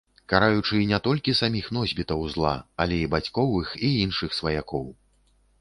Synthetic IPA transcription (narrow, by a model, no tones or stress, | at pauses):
kaɾajut͡ʂɨnʲɛt̪ɔlʲkʲisamʲixn̪ɔzʲbʲit̪ɐwzlˠa̰ɐlʲɛibat͡sʲkɔvɨxiinʂɨxsvɐjakɔw